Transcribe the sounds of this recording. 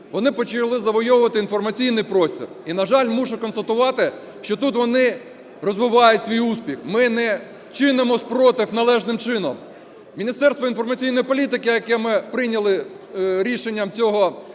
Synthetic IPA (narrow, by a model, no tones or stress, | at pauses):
ʋɔnɪpɔt͡ʃɪlˠɪzɐʋɔjɔʋʊʋɐt̪ɪinfɔrmɐt͡sʲijnɪjpɾɔsʲtʲḭrinɐʒɑlʲmuʒʊkɔnst̪ɐt̪ʊʋɑt̪ɪ | ʃt͡ʃɔt̪ut̪ʋɔnɪ | rɔzʋɪʋɑjʊtʲsʲʋʲijuspʲixmɪnɛst͡ʃɪnɪmɔsʲpɾɔt̪ɪwnɐlˠɛʒnɪmt͡ʃɪnɔ̰m | mʲinʲist̪ɛrst̪ʋɔinfɔrmɐt͡sʲijnɔjipɔlʲit̪ɪkɪjɐkɛmɪpɾɪnʲɐlˠɪ | ɾʲiʃenʲːɐmt͡sʲɔɦɔ